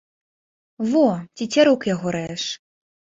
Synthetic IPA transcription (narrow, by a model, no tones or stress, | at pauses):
vɔt͡sʲit͡sʲaɾukjaɣɔɾɛʂ